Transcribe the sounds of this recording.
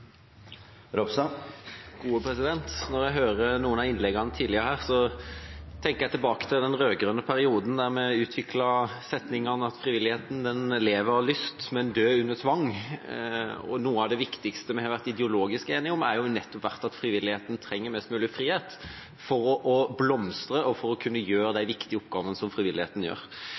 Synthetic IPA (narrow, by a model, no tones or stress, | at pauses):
ɾɔpsɑ | ɡ̥uːəpʰɾɛsɪd̪ɛnt̪nɔʁjæɦøːɾənuːənɑɪnlɛɡːɑnət̪ʰiːd̪lɪəʁhæːʁsɔ | t̪ʰɛŋkəjæɪt̪ʰɪlbɑːkə̥t̪ʰɪld̪ɛnʁøːɡɾʉnːəpʰæɾɪuːd̪n̩d̪æɾmɛʉːt̪ʰʋɪkʰlɑsɛt̪nɪŋɑnəɑt̪fɾɪʋɪlːɪeːt̪n̩d̪ɛnleːʋəɾhɑlʏst̪mɛnd̪øːʉnːət̪ʰʋɑŋː | ɔ̰nuːəɑʋd̪ɛʋɪkt̪ɪkst̪əmɛhɑʋæʁt̪ɪd̪ɛʊloːɡɪskeːnɪŋʊmæɾjʊnɛt̪ːɔpʰʋæʁt̪ɑt̪fɾɪʋɪlːɪheːt̪n̩t̪ʰɾɛŋːəɾmɛst̪mʉːlɪfɾiːheːt̪ | fɔɾɔʔɔblɔmst̪ɾəʔɔfɔɾɔkʰʉnːəjøːɾəd̪æɪʋɪkt̪ɪəʊp̚ɡɑːʋənəsɔmfɾɪʋɪlːɪheːt̪n̩jø̰ːɾ